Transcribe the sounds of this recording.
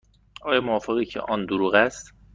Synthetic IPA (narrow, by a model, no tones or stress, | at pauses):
ɒːjɒːmoɒːfeɣiːcʰḛʔɒːnd̪oɾuːɣæst̪